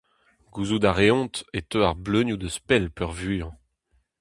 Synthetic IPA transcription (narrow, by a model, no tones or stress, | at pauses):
ɡ̥uzud̪aʁeɔ̃t̪et̪øaʁblønjud̪əspɛlpœʁvyːɑ̃